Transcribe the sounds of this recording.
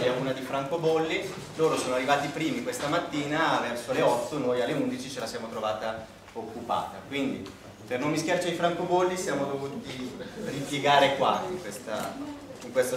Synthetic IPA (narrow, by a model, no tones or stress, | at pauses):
jauːnad̪ifɾaŋkobolːi | loːɾosoːnoarːivaːt̪ipɾiːmikwest̪amat̪ːiːnavɛrsoleɔt̪ːonojalːeund̪it͡ʃit͡ʃelasjaːmot̪ɾovaːt̪a | okːupa̰ːt̪akwind̪i | pernomːiskjart͡ʃaifɾaŋkobolːisjaːmod̪ovuːt̪iripjeɡaːɾekwaiŋkwest̪a̰ | iŋkwest̪a